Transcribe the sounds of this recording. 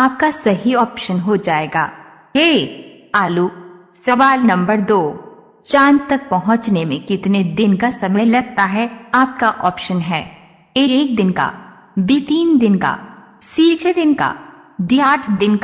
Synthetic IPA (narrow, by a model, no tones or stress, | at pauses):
aːp̚kasɐɦiɔːpʃənɦod͡ʒaːeːɡa̰ː | ɦeː | aːlu | sɐʋaːlnɐ̃mbəɾd̪oː | t͡ʃãːnd͡ʒt̪ɐk̚pɐɦʊ̃t͡ʃnemẽkɪt̪ned̪ɪnkasɐməlɐɡ̚t̪aɦɛaːp̚kaʔɔːpʃənɦɛː | eːk̚d̪ɪnka̰ | bit̪iːnd̪ɪnka̰ | siːt͡ʃed̪ɪnka̰ | ɖiaːʈʰd̪ɪnk